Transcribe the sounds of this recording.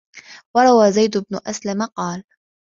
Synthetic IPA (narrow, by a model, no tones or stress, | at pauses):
wɑɾˤɑwaːzajd̪ʊbnʊʔaslamaqɑːl